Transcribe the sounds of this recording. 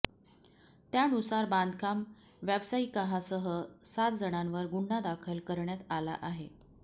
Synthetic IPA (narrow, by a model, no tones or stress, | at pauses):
t̪janusaɾband̪ʱkʰam | ʋjabsaikaɦasəɦəsat̪̚d͡zəɳanʋəɾɡuɳ̤ːad̪akʰəlkəɾɳjat̪ala̰ʔaɦe